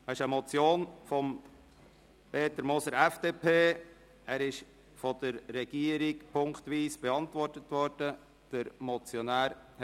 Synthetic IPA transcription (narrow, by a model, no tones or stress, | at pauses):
ɛɪʃəmɔt͡sjoːnfɔm | pʰeːtəɾmɔsəɾɛfd̥eːpʰeː | æːɾɪʃ | fɔd̪̥əɾːɛɡ̥iːəɾikpʰʊŋktʋiːsb̥eɑntʋɔrtətʋɔɾd̥ə | d̥əɾmɔt͡sjɔnæːɾ